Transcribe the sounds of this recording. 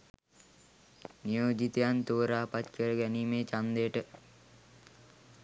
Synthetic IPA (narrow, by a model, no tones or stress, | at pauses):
nijoːd͡ʒit̪ejant̪oːɾaːpat̪kəɾəɡæniːmeːt͡ʃand̪ejəʈə